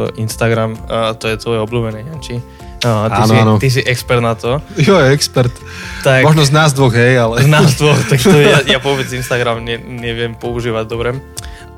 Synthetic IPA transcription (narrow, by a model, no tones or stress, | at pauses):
ʔinst̪aɡɾamt̪ɔjɛt̪ʋɔjɛɔbluːbɛnɛɲant͡ʃi | taininɔt̪is̬iʔɛkspɛɾt̪nat̪ɔjɔɛkspɛɾt̪ | t̪amɔʒnɔznaːzd̪ʋɔɣɦɛjalɛznazd̪ʋɔxt̪aktajaʋʊɔbɛd͡zinst̪aɡɾamɲɛɲɛʋɪɛmpɔuʒiːʋaɟd̪ɔbɾɛ